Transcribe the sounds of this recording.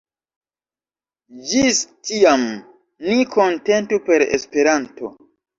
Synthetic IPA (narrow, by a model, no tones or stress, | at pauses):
d͡ʒistiam | niko̞nte̞ntupe̞ɾḛspe̞ɾanto̞̰